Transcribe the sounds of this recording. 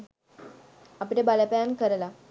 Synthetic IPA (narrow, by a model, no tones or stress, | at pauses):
apiʈebalapajankəɾla